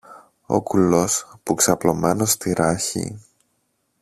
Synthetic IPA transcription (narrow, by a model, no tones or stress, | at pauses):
o̞̰kulo̞spuksɐplo̞me̞no̞st̪iɾɐçḭ